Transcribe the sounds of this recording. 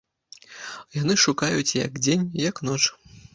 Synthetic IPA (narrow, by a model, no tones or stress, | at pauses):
jan̪ɨʂukajut͡sʲjɐ̰ɡd͡zʲenʲjɐkn̪ɔt͡ʂ